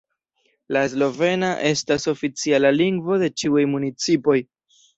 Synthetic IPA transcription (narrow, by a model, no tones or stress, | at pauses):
laezlo̞ve̞naʔe̞staso̞fit͡sialaliŋɡvo̞de̞t͡ʃiujmunit͡sipo̞j